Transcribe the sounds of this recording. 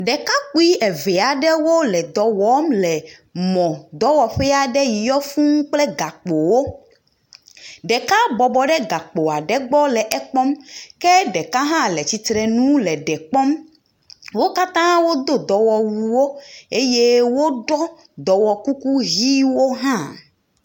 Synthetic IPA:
ɖɛ˨ka˦k͡pu˦i˦ɛ˨vɛ˨a˨ɖɛ˦wo˦lɛ˨d̪ɔ˨wɔ˦mlɛ˨mɔ̃˨d̪ɔ˦wɔ˨ɸɛ˦a˨ɖɛ˦ji˨jɔ˦fũ˦ŋ̩˦k͡plɛ˦ɡa˨k͡po˨wo˦ | ɖɛ˨ka˦bɔ˨bɔ˨ɖɛ˦ɡa˨k͡po˨a˨ɖɛ˨ɡ͡bɔ˦lɛ˨ʔɛ˨k͡pɔ˦mkɛ˦ɖɛ˨ka˦ɦã˦lɛ˨t͡ɕi˨t̪ɾɛ˨nũ˦lɛ˨ɖɛ˨k͡pɔ˦m | wo˦ka˦t̪ã˦wo˦d̪o˦d̪ɔ˨wɔ˨wu˨wo˦e˦je˦wo˦ɖɔ˦ | d̪ɔ˨wɔ˨ku˦ku˦ɣi˦wo˦ɦã˦

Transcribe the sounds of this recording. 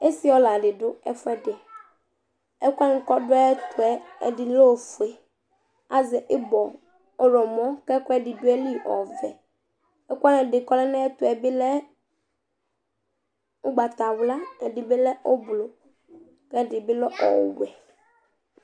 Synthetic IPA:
e˦si˦ɔ˦la˨dɪ˨dʊ˦ɛ˦fɛ˦dɪ˨ | ɛ˦ka˦nʊ˨˦kɔ˦dʊ˦ɛ˦t̪ʊ˨ɛ˦ɛ̰˨dɪ˨lɔ˦˨fu˨e˨ | a˦zɛ˨ʔɪ˦bɔ˨ | ɔ˦ɾɔ˨mɔ̃˦kɛ˦kɔ˦ɛ˦dɪ˨dʊ˦ɛ˦li˦ʔɔ̰˨vɛ˨ | ɛ˦kʷa˦nɛ̃˨dɪ˨kɔ˦lɛ˦nɛ˦ɛ˦t̪ʊ˨ɛ˨bɪ˦lɛ˦ | ʊ˦ɡ͡ba˨t̪a˨wla˦ɛ˨dɪ˨bɪ˦lɛ˦ʔɔ˦blo˨ | kɛ˦˨dɪ˨bɪ˦lɔ˦ʔɔ̰˨wɛ˨

